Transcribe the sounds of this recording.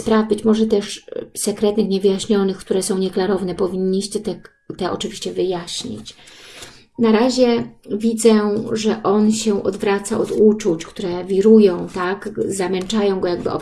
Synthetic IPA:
spɾavbɘt͡ɕmɔʐɛt̪ɛʂsɛkɾɛt̪nɘxɲɛvɘjaɕɲɔnɘxkt̪uɾɛsɔ̃w̃ɲɛklaɾɔvnɛpɔvʲiɲːiɕt͡ɕɛt̪ɛ | t̪ɛʔɔ̰t͡ʂɘvʲiɕt͡ɕɛvɘjaɕɲḭt͡ɕ | naɾaʑɛvʲid̪zɛʐɛʔɔnɕɛʔɔd̪vɾat̪saʔɔd̪ut͡ʂut͡ɕkt̪uɾɛvʲiɾujɔ̃w̃t̪akzamɛnt͡ʂajɔ̃w̃ɡɔjaɡ̚bɘ̰ʔɔ̰

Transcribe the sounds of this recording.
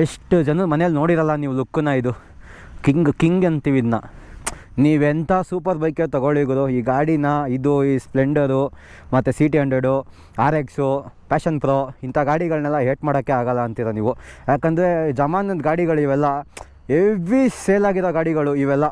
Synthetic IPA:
eʂʈd͡ʒɐnumɐnejɐlno̞ːɽiɾɐlːɐniːʋulukːunɐid̪u | kiŋɡkiŋɡɐnt̪iʋid̪nɐ | niːʋent̪ʰaːsuːpɐɾbɐjket̪ɐɡoɭiɡɐɾuiːɡaːɽinɐid̪uispleɳɖɐɾu | mɐt̪ːesiːʈiɐɳɖeɖu | aːɾeksupʲaːʃɐnpɾoːint̪ʰaːɡaːɽiɡɐɭnɛlːɐɦeːʈmaːɽokːeaːɡɐlːɐːnt̪iɾɐniːʋujaːkɐnd̪ɐɾe̞d͡ʒɐmaːnɐnd̪ɡaːɽiɡɐɭiʋɛlːɐ | eʋɾiseːlaːɡiɾoːɡaːɽiɡɐɭuiʋɛlːɐ

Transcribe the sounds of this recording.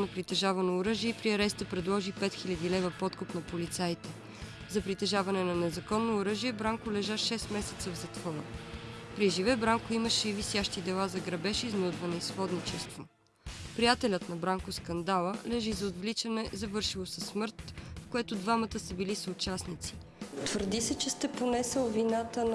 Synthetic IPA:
nɐpɾit̪ɛʒavɐnoːɾɤʒiɛpɾiɐɾɛst̪əpɾɛd̪lˠɔʒipɛt̪xilʲɐd̪ilɛvəpɔt̪kopnɐpolit̪sajt̪ɛ | zɐpɾit̪ɛʒavɐnɛnɐnɛzɐkɔnːoːɾɤʒiɛbɾaŋkʊlɛʒaʃɛst̪mɛsɛ̥t̪səvzɐt̪vɔɾə̰pɾiʒivɛbɾaŋkʊiməʃɛivisjaʃt̪id̪ɛlˠazɐɡɾɐbɛʃiznud̪vɐnɛisxɔd̪nit͡ʃɛst̪vo | pɾijat̪ɛlʲət̪nɐbɾaŋkʊskɐnd̪alˠəlɛʒizɐod̪vlit͡ʃɐnɛzɐvɤɾʃilˠosɛsmɤɾt̪fkoɛt̪od̪vamɐt̪əsɐbilisəʊt͡ʃasnit̪si̥ | t̪vəɾd̪isɛt͡ʃɛst̪ɛponɛsəlˠvinat̪ən

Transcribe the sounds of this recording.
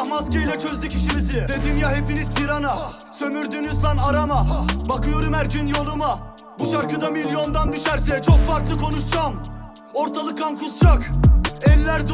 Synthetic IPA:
maskajlʲɛt͡ʃʰø̞zlʲycʰiʃimizid̪e̞d̪imjahe̞pinizpʰiɾana | sø̞myɾd̪ynyzlˠanaɾamabakʰɯjo̞ɾumæɾd͡ʒynjo̞lˠuma | buʃaɾkʰɯd̪amilʲjo̞nd̪and̪yʃæɾsɛt͡ʃʰo̞kfaɾklˠɯkʰo̞nuʃd͡ʒam | o̞ɾt̪ʰalˠɯk̪̚ʰankʰuzd͡ʒakɛlʲːæɾd̪

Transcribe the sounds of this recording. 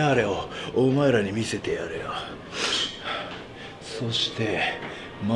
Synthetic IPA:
aɾeoomaeɾaɲ̟imʲise̞t̪e̞jaɾea | so̞ɕi̥t̪e̞ | m

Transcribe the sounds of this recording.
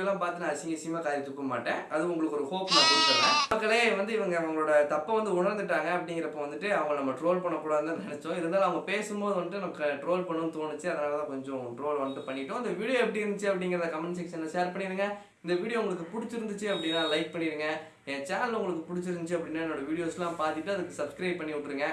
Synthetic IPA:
lːãːpaːɾt̪ɯnãːɐsɪŋɐsɪjɐmaːkaːjɐt̪ːʊkːɐma̰ːʈːẽːɐðɯʊŋɡɐɭɯkːɔɾɯhoːpmapːɪɽʈːɐːlaɐkːɐɭeʋɐnd̪ɯɪʋɐŋɡɐɐŋɡɐɭoːɽɐt̪ɐpːɐ̃ʋɐnd̪ɯʊɳɐɾnd̪ɯʈːaːŋɡɐːpːɐɽɪŋɡɪɾɐpːoːʋɐnd̪ɯʈːɯɐʋɐŋɡɐnɐmːɐʈɾoːlpɐɳːɐkːuːɽaːðɾɯnd̪ãnɛnɛt͡ʃːõɪɾɛnd̪aːl̃ɐʋɐŋɡɐpeːsɯmboːðɯʋɐnd̪ɯʈːɯnɐmɐkːɐʈɾoːlpɐɳːɯmt̪oːɳɯt͡ʃːɯɐðɐnaːlɐt̪ãːkɔɲd͡ʒɔ̃ʈɾoːlʋɐnt̪ɯpɐɳːɪʈːʊ̃ɪnd̪ɐʋiːɽɪjoɛp̬ːɐɽɪiɪɾɯnd̪ɯt͡ʃːɯɐpːɐɽɪŋɡɪɾɐðɐkɐmɪnsɛkʂɐnlɐseːɾpɐɳːɪɾɯŋɡɐ | ɪnd̪ɐʋiːɽɪjoːʊŋɡɐɭɯkːɯpʊɽɪt͡ʃːɪɾɯnd̪ɯt͡ʃːɯɐpːɐɽɪnːãːlɐɪk̚pɐɳːɪɾɯŋɡɐ | ɛt͡ʃaːnɐlʊŋɡɐɭɯk̬ːɯpʊɽɪt͡ʃːɪɾɯnd̪ɯt͡ʃːɯɐpːɐɽɪnːaːɛnːoːɽɐʋiːɽɪjoːslãːpaːɾt̪ɪʈːɯɐðɯkːɯsɐbskɾɐɪb̚pɐɳːɪʋʊʈːɾɯŋɡɐ

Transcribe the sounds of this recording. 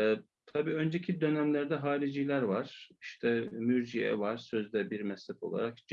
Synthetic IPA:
ɛ | t̪ʰabiːø̞nd͡ʒɛcʰid̪ø̞næmlʲæɾd̪ɛɦaːɾid͡ʒilʲæɾvaɾ̥iʃt̪ʰɛmyɾd͡ʒijɛ̰vaɾ̥sø̞zd̪ɛbiɾmɛslʲɛfo̞̰a̰ɾak̚d͡ʒ

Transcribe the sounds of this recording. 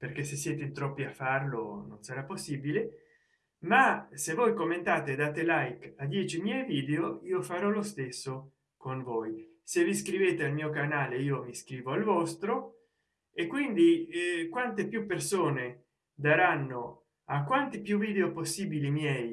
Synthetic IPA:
perkesesːjɛːt̪et̪ɾɔpːiafarlo̰nonsaɾapːosːibile | masevːojkomːent̪aːt̪ed̪aːt̪elajkad̪jɛt͡ʃimjɛjviːd̪eoiːofaɾɔlost̪esːo | konvoj | seviskɾiveːt̪ealmiːokanaːleiːomiskɾiːvoalvɔst̪ɾo | ekːwind̪ikwant̪epjupːersoːne | d̪aɾanːo | akwant̪ipjuviːd̪eoposːiːbilimjɛj

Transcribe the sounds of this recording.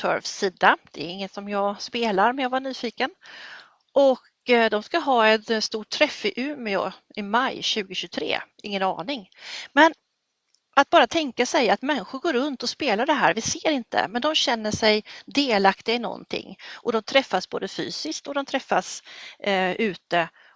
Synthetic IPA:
tʰœ̰ɾvssiːd̪ad̪̥ɛɾɪŋːət̪sɔmjɑːɡspeːlaɾmɛnjaːvaɳyːfiːkən | ʔɔk | d̪ɔmskaɦɑːɛt̪st̪uːʈʰːɾɛfɪʔʉ̟ːmɪɔ̰ | ɪmajɕʉ̟ːɡəɕɵt̪ʰɾḛːʔɪŋːənɑ̰ːnɪŋmɛn | ʔat̪̚bɑːɾat̪ʰɛŋkasɛjat̪mɛnːɪɧʊɾɡoːɾɵnt̪ɔspeːlaɖɛɦæːɾvɪseːɾɪnt̪əə̰mɛnd̪ɔmɕɛnːəʂɛjd̪eːlakt̪ɪɡaɪnɔ̰nt̪ʰɪ̰ŋːʔɔd̪ɔmt̪ʰɾɛfːasbo̰ːd̪əfy̰ːsɪsk̚t̪ɔd̪ɔmt̪ʰɾɛfːas | ʔʉ̟ːt̪ə

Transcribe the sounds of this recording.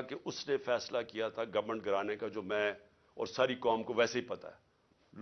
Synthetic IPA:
keʔʊsnefɛːslakijat̪ʰaɡɐʋmə̃ɳʈ̚ɡʱɐɾaːnekad͡ʒoːmɛ̃ː | ɔ̰ːɾsaːɾikaːmkoʋɛːseɦipɐt̪a̰ɦɛː | l

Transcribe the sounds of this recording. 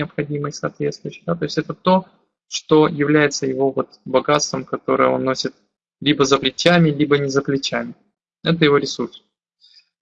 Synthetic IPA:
ɪəpxɐdʲiməjsɐ̰ːt̪vʲe̞t̪st̪vʊjʏɕɪ̥d̪at̪o̞ɪsʲtʲɛt̪ət̪o̞ | ʂt̪o̞jɪvlʲæjɪt̪səjɪvo̞vo̞t̪bɐɡat̪st̪vəmkɐt̪o̞ɾɨ̰jəo̞̰nːo̞sʲɪt̪̚ | lʲibəzəplʲɪt͡ɕamʲɪlʲibənʲɪzəplʲɪt͡ɕæmʲɪ | ɛt̪əjɪvo̞ɾʲɪsurs

